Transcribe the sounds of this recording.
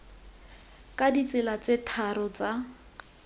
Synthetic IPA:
kʼadit͡sɪlat͡setʰaɾɔt͡sa

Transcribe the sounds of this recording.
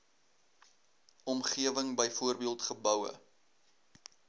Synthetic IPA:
ʔɔmχiəvəŋbəjfuərbiəlˠtχəbœwə̰

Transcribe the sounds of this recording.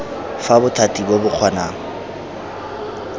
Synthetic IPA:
fabʊtʰatʼibobʊq͡χʰwanaːŋ̩

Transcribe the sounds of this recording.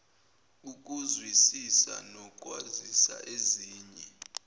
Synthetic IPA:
uk̬ʼuzwisisa̰nɔkʼwazisa̰ʔeziːɲɛ

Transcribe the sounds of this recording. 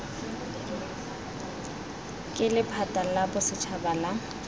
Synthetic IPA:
kʼɪlɪpʰatʼalabʊsɪt͡ʃʰabala

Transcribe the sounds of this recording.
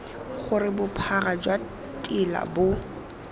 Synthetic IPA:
χʊrɪbʊpʰarad͡ʒwa | tʼɪla̰bʊ

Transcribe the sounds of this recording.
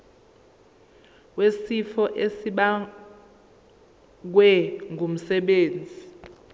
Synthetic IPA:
wesifɔʔesiɓa | k̬wɛŋum̩sɛɓeːnd͡zʱi

